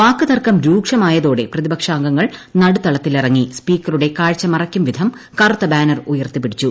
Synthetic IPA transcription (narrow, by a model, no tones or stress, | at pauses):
paːkːɐðɐrkɐmɾuːkʂɐmaːjɐðo̞ːɽe̞prɐðibɐkʂaːŋɡɐŋːɐɭnɐɽut̪ɐɭɐt̪ːilirɐŋːispiːkːɐruɽe̞kaːɻt͡ɕːɐmɐrɐkʲːumʋid̪ʱɐm | kɐrut̪ːɐbaːnɐrujɐrt̪ipːiɽit͡ɕːu